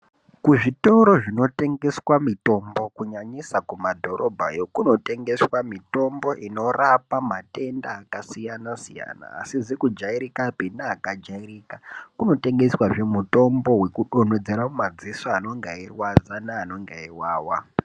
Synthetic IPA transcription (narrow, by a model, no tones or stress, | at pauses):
kuʐito̞ɾo̞ʐino̞te̞ŋɡe̞swamito̞mbo̞kuɲaɲisakumadʱo̞ɾo̞bʱa̰jo̞kuno̞te̞ŋɡe̞swamito̞mbo̞ʔino̞rapamate̞ndaːkasijanasija̰na̰ːsizekud͡ʒaiɾikapinaːkad͡ʒaiɾiːkakuno̞te̞ŋɡe̞swaʐe̞muto̞mbo̞we̞kuɗo̞n̤od͡zeɾamumad͡zisoano̞ŋɡairwazanaːno̞ŋɡaiwaːwa